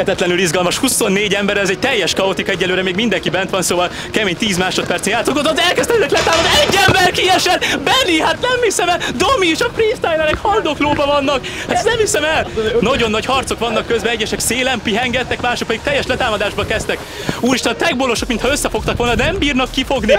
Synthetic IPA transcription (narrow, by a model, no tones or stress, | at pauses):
ɛt̪ɛt̪lɛnylizɡɒlmɒʃhuso̞nːeːɟɛmbɛɾɛzɛɟ̚t̪ɛjːɛʃkɒot̪ikɒɛɟːɛnlːøːɾɛmeːɡmind̪ɛŋkibɛnt̪ʋɒnsoːvɒl | kɛmeːɲt̪iːzmaːʃo̞t̪̚pɛrsenaːt̪okozɒzɛlkɛst̪ɛɛzɛk̪lɛt̪aːmɒd̪ɛɟːɛmbɛrkiɛʃɛlbɛlːiɦat̪nɛmhisɛmɛld̪omiʃɒfrist̪ajlɛɾɛkhɒld̪okloːbɒvɒnːɒkhat̪znɛmhisɛmɛlnɒɟo̞nːɒchɒrt̪so̞kʋɒnːɒkːøzbɛɛɟːɛʃɛkseːlɛmpiɦɛŋɡɛt̪ːɛkmaːʃok̚pɛd̪ik̚t̪ɛjːɛʃlɛt̪aːmɒd̪aːʒbɒkɛst̪ɛk | uːɾiʃt̪ɛnt̪ɛɡ̚bolo̞ʃokmint̪hɒøsːɛfo̞k̚t̪ɒkʋolnɒd̪ɛmbiːrnɒkːifo̞ɡni